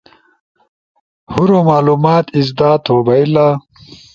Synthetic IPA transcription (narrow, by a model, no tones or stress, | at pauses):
huɾomaːluːmaːt̪izd̪aːt̪ʰoːbɐilaː